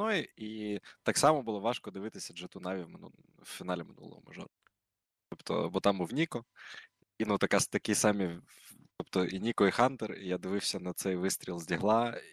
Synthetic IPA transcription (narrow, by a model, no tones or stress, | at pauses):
nɔjiit̪ɑksɑmɔbulˠɔʋɑʃkɔd̪ɪʋɪt̪ɪsʲɐdʒɛt̪unaʋʲiʋmɪn̰ | wfʲinalʲɪmɪ̰nṵlˠɔ̰ʋɔ̰mɐ̰ʒɔ̰ɾ | t̪ɔpt̪ɔ̰bɔt̪ɑmbuwnʲikɔ | inut̪ɐkast̪ɐkʲisɑmʲi | t̪ɔpt̪ɔʔinʲikɔixɑnt̪ɛrḭjad̪ɪʋɪwsʲɐnɐt̪sɛjʋɪst̪ʲɾʲilˠzʲdʲiɦlˠɑ